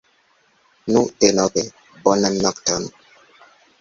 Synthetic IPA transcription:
nutenɔbe | bɔnamnɔktɔn

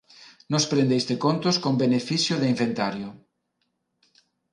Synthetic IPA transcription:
nospɾend̪ejst̪ekont̪ʊskombenefiθjʊðɪiɱfent̪aɾjʊ

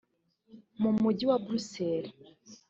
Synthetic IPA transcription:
mumuɟiwabɾuseɾi

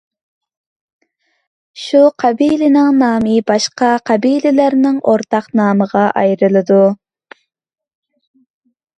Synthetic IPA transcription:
ʃuqʰɑbilɪnɪŋnɑːmibɑʃqɑqʰɑbilɪlæɾnɪŋʔoɾt̪ʰɑqnɑːməʁɑʔɑjɾɨlˠɨd̪u

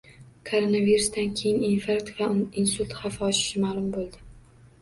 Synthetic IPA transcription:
kʰoɾonaviɾʊsd̪ankʲʰejɪninfaɾkt̪vainsut̪χafaɒʃɪ̥ʃɪmaːlˠʊmbolˠd̪ɪ

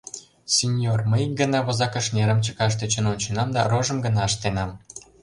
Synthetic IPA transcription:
sʲenʲjorməjɡə̆nɑβozɑkəʃneɾəmt͡ɕəkɑʃ̬t̪et͡ɕənonʲt͡ɕə̆nɑmd̪ɑroʒə̆mɡə̆nɑəʃt̪enɑm

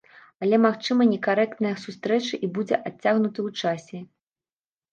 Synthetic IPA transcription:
alʲɛmaxt͡ʂɨmɐnʲɛkaɾɛk̚t̪nɐjɐsust̪ɾɛt͡ʂɨʔibud͡zʲɛʔat͡sʲːaɣnut̪ɨwt͡ʂasʲɛ

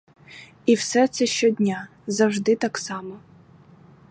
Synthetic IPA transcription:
iwsɛt̪sɛʃt͡ʃɔdʲnʲa | zɐwʒd̪ɪt̪ɑksɑmɔ

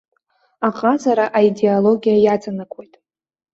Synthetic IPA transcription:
aχʼazaɾaʔaide̞olo̞ɡʲijajat͡sʼanakʷʰʼojtʼ

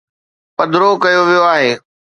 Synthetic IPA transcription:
pɐd̪ɾokɐjoʋijoaːɦeː

